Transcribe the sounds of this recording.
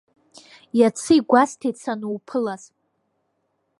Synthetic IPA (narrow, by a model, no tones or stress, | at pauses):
jat͡sʰɨiɡʷastʰet͡sʰanuwpʰɨlaz̥